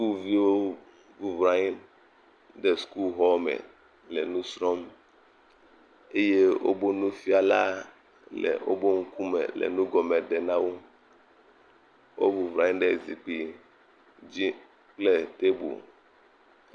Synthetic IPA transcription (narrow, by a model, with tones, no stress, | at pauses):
sku˦lvi˦wo˦ | vu˦vɾa˨ɲi˦ | ɖɛ˦sku˦lɦɔ˦mɛ̰˨ | lɛ˨nũ˦sɾɔ˦m | e˦je˦wo̰˦bo˦nũ˦fi˦a˨la˦ | lɛ̰˨wo̰˦bo˦ŋ̩˦ku˦mɛ̰˨lɛ̰˨nũ˦ɡɔ˨mɛ˨ɖɛ˨nã˦wo˦ | wʔo̰˦vu˨vɾa˨ɲĩ˦ɖɛ˦zi˨k͡pi˨ | d͡ʑi˦ | k͡ple˦t̪e˦bṵ˨